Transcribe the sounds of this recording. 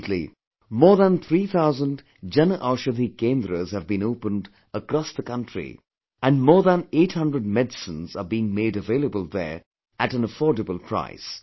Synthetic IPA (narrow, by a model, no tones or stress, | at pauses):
tʰlḭ | mɔːɹðə̃nt̪ʰɾit̪ʰaʊzə̃nd | d͡ʒɛnəʔaʊʃəd̪ikẽːnd̪ɾəz̥hɨvbĩnoʊpə̃nd | əkɾɔsðəkʌ̃ntɹḭ | æ̃nmɔːɹðə̃neɪʈhʌ̃ndɹəd̚mɛdsə̃nzəbiɪ̃ŋmeɪɾɨveɪlˠəbəlˠðə̰˞ | ætɨ̃nəfɔːdəbəlˠpʰɹ̥a̰ɪs